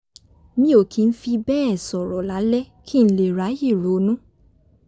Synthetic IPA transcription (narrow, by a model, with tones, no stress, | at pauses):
mĩ˦o˨kʰi˨˦n̩˦fi˧bɛ˦ɛ˦˨sɔ˨ɾɔ˨la˨˦lɛ˦ | kʰi˦˧n̩˦le˨ɾa˨˦ji˦˨ɾo˨˦nũ˦